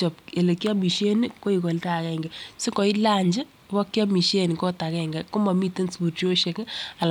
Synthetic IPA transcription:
t͡ʃɔ˨pe˨le˨kjɔ˦mi˨ʃe˦ni˦ko˦i˨kɔ˨lta˦˨kɛ˦ŋɡɛ˨si˦ŋɡɔ˨i˦la˦ɲd͡ʒɪ˦ | wɔ˦kjɔ˦mi˨ʃe˦n˨kɔ˦ta˨kɛ˨ŋɡɛ˨ko˦mɔ˨mi˦te˦nsbu˨t͡ʃo˦ʃe˨ka˨l

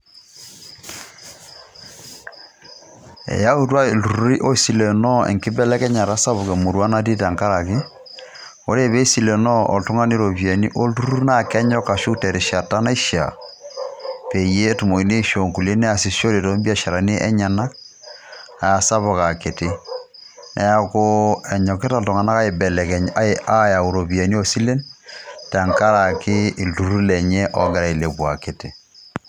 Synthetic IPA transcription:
ɛ̰˨ja˦u˦twa˦˨lu˨ɾu˦ɾi˦ʔo˦si˨lɛ˨nɔ˦ɛ̰˨ŋke˦bɛ˦lɛ˦kɛ˦ɲa˨ɾa˦sa˦βo˨kɛ˨mo˨ɾwa˦na˦t̬i˦t̬a˨ŋka˦ɾa˨ke˦ | o˦ɾe˦˨βe˦si˨lɛ˨nɔ˦ɔ̰˨to˦ŋa˦ne˦ɾo˨βjɛ˨ni˦ʔo˦lu˦ɾu˦u˦na˦˨kɛ˦ɲɔ˦ka˨ʃu˦tɛ˨ɾe˨ʃa˨ta˦na˦i˦ʃa̰˨ | pe˨je˦tu˨mo˨i˨ne˦ʃo˨ŋku˨le˦nɛ˦a˨si˨˦so˦ɾe˨to˦mbi˦a˦ʃa˨ɾa˨ni˦ʔɛ̰˦ɲa˨na˦k̚ | a˨sa˦βɔ˨ka˨ke˨tɪ˦ | nʔɛ˨a˦kʊ˦ɛ˨ɲɔ˨ke˦ta˨ltu˨ŋa˨na˦ka˦e˨bɛ˨lɛ˨kɛ˨ɲa˦e˦a˦ja˨u˨ɾo˨bi˨a˨ni˦o˦si˦le˦nta˨ŋka˦ɾa˨kɪː˦˨ltu˨ɾu˦lɛ˨ɲɛ˦ʔɔ˦ɡɛ˨ɾa˨i˨le˨bwa˨ke˨tɪ˨

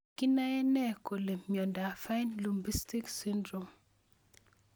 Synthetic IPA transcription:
ki˦na˦jɛ˦nɛ˦ko˨le˨mmjɔ˨nda˨fa˦jnlu˨mbi˦sti˦ksi˦ndɾo˨m

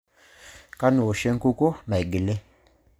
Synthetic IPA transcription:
ka˦no˨ʃe˦ŋ̩˦ku˦ko˦ma˨i˨ɡi˨le˦

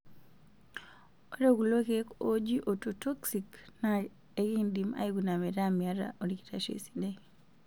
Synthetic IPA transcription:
o˦ɾe˦ɡu˨lo˦keko˦d͡ʒi˦ʔo˨to˨to˦ksikna˦ | e˦ki˦ndima̰˦i˦ɡu˨na˨mɛ˨ɾamia˨ɾa̰ʔo˨ɾi˨ki˨ta˨ʃḛ˨si̥de

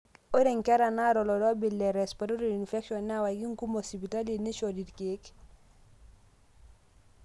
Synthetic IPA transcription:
o˦ɾe˨ŋkɛ˦ɾa˨na˦ɾɔ˨lɔ˨dɔ˦bi˨lːɛ˨ɾɛ˨spaɾo˦ɾeninfɛ˦kʃɔ˨nːa˦wa˨ɡi˦ŋku˦mɔ˨si˨pi˨ta˦li˨ni˦ʃɔdi˨dke˦k

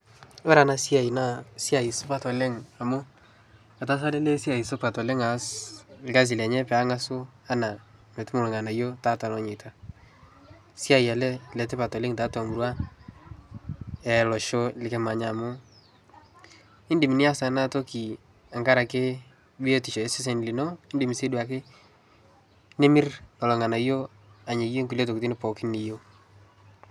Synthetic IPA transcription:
o˦ɾa˨na˨sja˨i˨na˦˨sja˨i˨sʊ˦pa˨tɔ˨le˦ŋa˨mʊ˦ | a˨ta˦s̬a˦lɛ˦le˦sja˨i˨sʊ˦pa˨tɔ˨le˦ŋa˨˦slɪ˨ka˦z̬i˨lɛ˨ɲɛ˦pɛ˨a˦ŋa˦sʊ˦a˦na˨me˨tʊ˦mʊ˨lʊ˨ŋa˨na˨jo˦ta˦ta˨lɔ˨ɲɪ˨tʰa˦ | sja˦˨ja˨lɛ˦lɛ˨tɛ˦pa˨tɔ˨lɪ˦ŋta˨˦tɔ˨mu˨ɾwa˦ | ɛ˨lɔ˨ʃo˦lɪ˨kɛ˦ma˨ɲa˨mʊ˦ | ɪ˦ndi˨mi˨ni˦a˦sa˨˦na˦to˦ki˨ | a˨ŋɡa˦ɾa˨ke˦ | bi˦o˦ti˨ʃo˨e˦sɪ˦s̬ɛ˨n˨li˨no˦ɪ˦ndi˨mi˨se˦dwa˨k̬ɪ˦ | ne˦mɪ˦ɾɔ˨lɔ˨ŋa˨na˨˦jo˦ | a˨ɲe˨je˦ŋkulo˦to˨kti˦nɪ˦pɔ˨kɪ˦ni˨jo˦

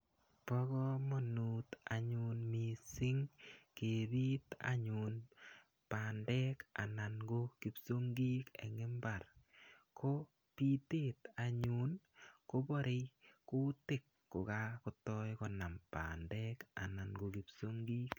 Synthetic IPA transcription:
pɔ˦ɡɔ˦mɔ˨nu˨t̪a˨ɲʊ˧nmi˨sɪ˦ŋke˨bi˦t̪a̰ɲu˨n | pa˨ndɛ˦ka̰˨na˨nɡo˦ki˦pso˦ŋɡi˦kɛ̰˨ŋɪ˦mba˨rkʰo˦ | pi˦te˦ta˨ɲu˦n | ko˦bɔ˦ɾe˦jkʊ˦tɪ˦˨kːo˨ɡa˦kʊ˦tɔ˦jkɔ˦na˨mpa̰ndɛ˦ka̰˨na˨nɡo˨ki˨pso˦ŋɡi˦k

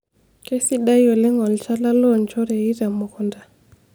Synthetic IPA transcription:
ke˦si˦ɗa˦jɔ˨lɛ˦ŋɔ˨lt͡ʃa˦la˦lɔ˦˨nt͡ʃɔ˦ɾɛ˨i˦ɾa˨mɔ˨kɔ˨nda˨

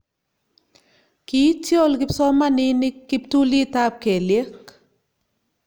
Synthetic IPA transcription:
ki˨˦tjo˦lkɪ˦psɔ˦ma˦ni˦ni˦kːi˦p̚tu˦li˦ta˦p̚ke˨lje˦k

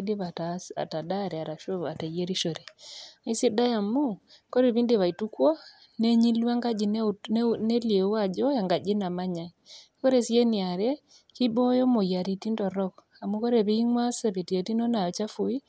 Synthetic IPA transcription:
de˦βa˨ta̰˨ta˨da˦ɾe˨a˨ɾa˨ʃo˦a˨te˨je˦ɾi˦ʃo˨ɾea˨i˦si˦da˦ja˨mu˦ | ko˦ɾe˨βi˦nde˦βa˨i˨tu˦kwa˦ | ne˦ɲi˦lwa˦ŋɡa˦d͡ʒi˨nnne˦lie˨˦a˦˨d͡ʒɔ˦ja˨ŋɡa˨d͡ʒi˦na˨maɲa˨iko˦ɾe˦˨sje˦nia˨ɾe˦ | ki˦bo˦jo˦mo˨ja˨ɾi˨ti˦ndɔ˨ɾɔ˦k | a˨mu˦ko˦ɾe˨βi˦ŋwa˦se˨βe˨ti˨e˨ti˦no˦na˨jɔ˨t͡ʃa˦fu˨i˦

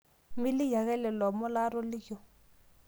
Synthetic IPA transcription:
mɪ˦lɪ˦ja˨ɣɛ˦lɛ˨lɔ˨mɔ˦la˦ɾɔ˦lɪ˦jɔ˨

